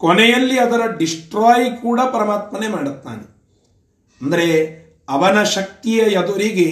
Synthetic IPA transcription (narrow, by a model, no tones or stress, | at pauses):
kɔnɛjɐlːiɐd̪ɐɾɐɖisʈɾaːjkuːɽɐpɐɾɐmaːt̪mɐnemaːɽut̪ːa̰ːne | ɐnd̪ɐɾe | ɐʋɐnɐʃɐk̚t̪ijɐjɐd̪uɾiɡe